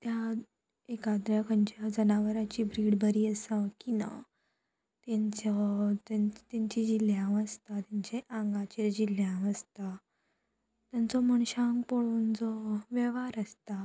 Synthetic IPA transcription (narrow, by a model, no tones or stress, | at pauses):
t̪ja | ekad̪ɾjakəɲt͡ɕad͡zənaʋəɾat͡ɕiːbɾiːɽbʱəɾiːəsãkina̰ | t̪aɲt͡sɔt̪t̪aɲt͡ɕid͡ʑiljãʋəst̪at̪jaɲt͡ɕeʔãŋɡat͡ɕiɾd͡ʑiljãʋəst̪a | t̪jant͡sɔməɳ̃ɕãŋɡpoɭuːnd͡zɔʋeʋaɾəst̪a